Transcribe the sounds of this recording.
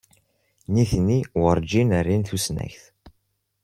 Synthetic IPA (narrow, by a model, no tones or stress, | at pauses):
niθnːiwəɾˤd͡ʒinərːinθusnæ̰çθ